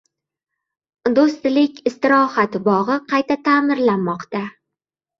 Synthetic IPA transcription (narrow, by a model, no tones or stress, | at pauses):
d̪ost̪lɪkʲɪst̪ɪɾɒhat̪bɒʁɨqʰɑjt̪ʰat̪ʰaːmɪɾlanmɒqt̪a